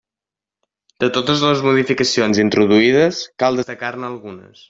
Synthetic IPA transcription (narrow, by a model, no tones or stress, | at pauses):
d̪ət̪ot̪əzləzmuð̞ifikəsionzint̪ɾuðuiðəskalˠd̪əst̪əkarnəːlˠɣunə̰s